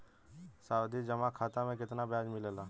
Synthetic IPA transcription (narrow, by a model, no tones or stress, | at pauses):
saːwd̪id͡ʒəmakʰaːt̪amẽkɪt̪nabjaːd͡ʒmɪləlaː